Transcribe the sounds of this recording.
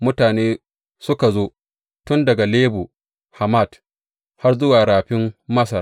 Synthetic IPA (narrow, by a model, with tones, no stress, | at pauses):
mʊ˦taː˨neː˦ | sʊ˦ka˨zoː˦ | tʊ˦ndɐ˨ɡa˨leː˦buː˨ | ha˨ma˦˨d | ha˦rzʊ˦waː˨ɽaː˨ɸɪ˦mːɐ˦sɐ˨r